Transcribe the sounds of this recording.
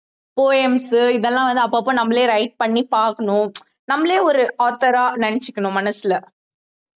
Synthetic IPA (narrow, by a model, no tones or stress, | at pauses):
poːɛmsɯɪðɛlːãːʋɐnd̪ɯɐpːoːp̬ːõːnɐmːɐleːɾɐɪʈ̚pɐɳːipaːɾkɐɳʊ̃ | nɐmːɐleːɔɾɯaːt̪ːɐɾaːnɐɳɪt͡ʃːɪkːɐɳʊ̃mɐnɐsɪlɐ